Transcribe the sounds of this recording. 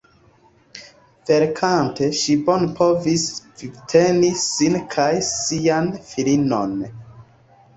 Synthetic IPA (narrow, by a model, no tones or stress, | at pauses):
ve̞ɾkʰante̞ʃibo̞npʰo̞visvitʰe̞nisinkʰajsianfilino̞̰n